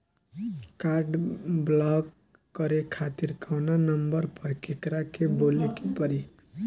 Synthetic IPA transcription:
kaɾɖblɔɡː | əɾekʰat̪iɾkʰawnanəmbəɾpəɾkekɾakebolekepəɾi

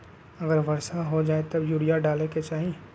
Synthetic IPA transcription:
ɐɡəɾʋɐɾsaɦod͡ʒaːet̪objuːɽijaɖaːleket͡ʃaːɦi

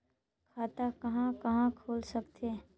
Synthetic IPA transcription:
kʰaːt̪akɐɦãkɐɦãkʰoːlsəkt̪ʰeː

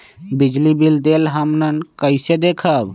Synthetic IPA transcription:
bid͡ʒlibild̪elɦəmnənkəjsed̪ekʰəb

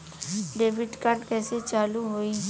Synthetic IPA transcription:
ɖeːʋɪɖkaɾɖkɛːset͡ʃaːluɦoːi

